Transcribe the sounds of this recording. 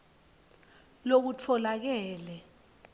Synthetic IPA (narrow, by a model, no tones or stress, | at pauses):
lok̬ut͡fʰɔlak̬ɛːlɛ